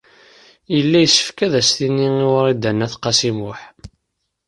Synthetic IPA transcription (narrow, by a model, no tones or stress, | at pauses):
jəlːæjsːə̥fkæðæsθinːiiwəɾˤid̪ænːæθqːɑsimʊħ